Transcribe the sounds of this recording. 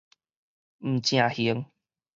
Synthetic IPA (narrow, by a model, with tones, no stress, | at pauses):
m̩˨˩t͡ɕj̃ã˨˩hi˧˦ə˦ŋ